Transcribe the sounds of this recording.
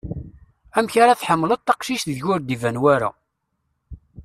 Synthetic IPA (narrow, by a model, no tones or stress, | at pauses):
æmçaɾaθħəmːlət̪t̪ːɑqʃiʃθðʝʊɾd̪ivænwaɾæ̰